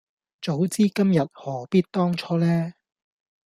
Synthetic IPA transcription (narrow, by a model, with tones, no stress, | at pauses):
t͡so˨˥wt͡siː˥kɐ˥mjɐ˨t̚hɔː˨˩piː˥t̚t̪ɔː˥ŋt͡ʃʰɔː˥lɛː˥